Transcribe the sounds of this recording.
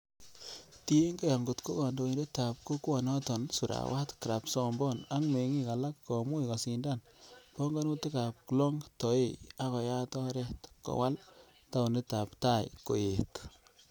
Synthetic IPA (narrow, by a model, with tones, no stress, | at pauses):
ti˦e˦ŋɡe˦jɔ˨ŋɡo˨tko˦kɔ˨ndo˨i˨nde˦ta˨p̚ko˦kwɔ˨nɔ˦tɔ˨nsu˨ɾa̰wʔa˦tki˨ɾa˨psɔ˦mbɔ˦˨na˦ŋme˨ŋi˦ka˨la˦kːɔ˨mu˦ika˨si˨nda˦˨n | pɔ˦ŋɡa˦nu˦te˦ka˨p̚klɔ˦ŋtɔ˨e˦˨a˦kɔ˨ja˦tɔ˦ɾɛ˦˨tkɔ̰˨wa˦l | ta˦u˨ne˦ta˨pta˦˨jko̰˨je˨t